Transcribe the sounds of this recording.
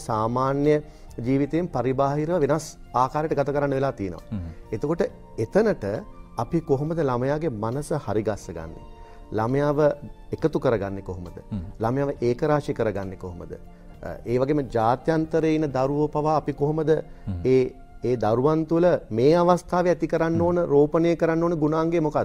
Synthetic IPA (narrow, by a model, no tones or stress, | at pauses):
saːmaːnjə | d͡ʒiːʋit̪eːmpaɾibaːɦiɾəʋəʋenas | aːkaːɾjeʈəɡat̪akəɾanːəʋelaːt̪ijənə̰ʋa̰et̪okoʈə | et̪ənəʈəapikoɦoməd̪əlaməjaːɡemanəsəhaɾiɡasːəɡa̰nːḛ | laməjaːʋə | ekət̪ukəɾəɡanːekoɦoməd̪ə̰laməjaːʋəʔeːkəɾaːʂikəɾəɡanːekoɦomə̰d̪ə̰ | eːʋaɡeməd͡ʒaːt̪jant̪əɾeinːəd̪aɾuʋopaʋaːpikoɦoməd̪əeː | eːd̪aɾuʋant̪uləmeːaʋast̪ʰaːʋeæt̪ikəɾanːoːnəɾoːpənejəkəɾanːoːnəɡunaːŋɡemokad̪